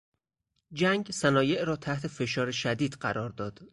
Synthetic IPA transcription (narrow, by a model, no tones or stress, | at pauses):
d͡ʒæŋɡsænɒːje̞ʔɾɒːt̪ʰæht̪ʰe̞fe̞ʃɒːɾeʃæd̪iːd̪̥ɢæɾɒːɾd̪ɒːd̪̥